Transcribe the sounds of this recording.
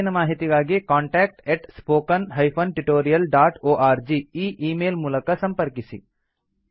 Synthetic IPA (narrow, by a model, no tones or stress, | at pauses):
nɐmaːɦit̪iɡaːɡikaːɳʈaːk̚ʈeʈspoːkɐnɦɐjpʰɐnʈuʈoːɾijɐlɖaːʈoːʔaːɾd͡ʒiiːʔiːmeːlmuːlɐkɐsɐmpɐɾkisḭ